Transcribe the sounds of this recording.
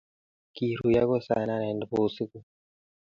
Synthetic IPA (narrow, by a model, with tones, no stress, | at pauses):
ki˨ɾu˨ja˦ko˦sa̰˨na˦nɛ˨ndbo˨si˦ku˦